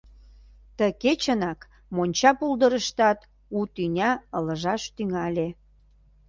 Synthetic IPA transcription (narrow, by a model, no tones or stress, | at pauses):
t̪əket͡ɕənɑk | monʲt͡ɕɑpuld̪əɾəʃt̪ɑt̪ | ut̪ynʲɑələ̆ʒɑʃt̪yŋɑlʲe